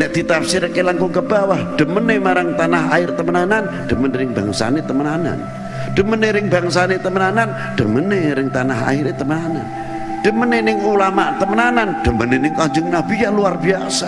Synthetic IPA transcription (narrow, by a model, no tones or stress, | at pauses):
nɛʔd̪̥it̪apsɪɾkelaŋkʊŋkəbawahɖ̥əmənemaɾaŋt̪anaɦaɪrt̪əmənanan | ɖ̥əməneɾɪŋbaŋsa̰net̪əmənana̰n | ɖ̥əməneɾɪŋbaŋs̬anet̪əmənanan | ɖ̥əməneɾɪŋt̪anaɦa̰ɪɾet̪əmənanan | ɖ̥əmənenɪŋulamat̪əmənananɖ̥əmənenɪŋkaɲd͡ʒʊŋnabijaluarbiasa